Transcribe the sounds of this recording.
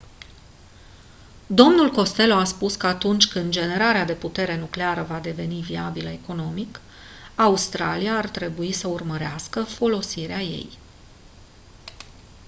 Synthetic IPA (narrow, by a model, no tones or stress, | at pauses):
d̪o̞mnulko̞st̪e̞loaspuskəat̪unt͡ʃʲkɨnd̪d͡ʒe̞ne̞ɾaɾead̪e̞put̪e̞ɾe̞nukleaɾəvad̪e̞ve̞niviabiləeko̞no̞mik | aust̪ɾa̰lijaːrt̪ɾe̞buisəurməɾeaskəfo̞lo̞siɾeaje̞̰j